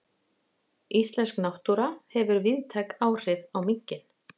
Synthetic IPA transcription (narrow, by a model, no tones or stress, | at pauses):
ist̪lɛnsknawht̪uɾahɛvʏɾvɪðt̪ʰajkaːwr̥ɪvawmiɲ̥cɪn